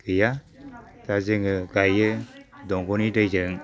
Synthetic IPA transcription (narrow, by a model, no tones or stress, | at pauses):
kɯja | tazeŋɯɡajɯdɔŋɡɔnidajzɯŋ